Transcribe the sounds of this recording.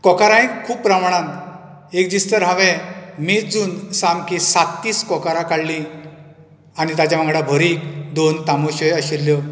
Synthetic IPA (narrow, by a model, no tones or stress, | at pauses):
kɔkaɾaĩkkʰːuːppːɾamaɳ̃ãn | ek̚d͡ʑist̪əɾɦaʋɛ̃mid͡zuːnsamkisat̪ːiːskɔkaɾakaɽlĩ | aɽ̃it̪at͡ɕamãŋɡɽabʱəɾiːkd̪ont̪amoɕɔjəɕiɾlːjɔ